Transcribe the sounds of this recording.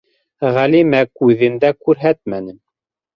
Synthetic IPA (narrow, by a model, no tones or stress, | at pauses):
ʁælimækʉðɘ̆nd̪ækʉɾɦæt̪mænɘm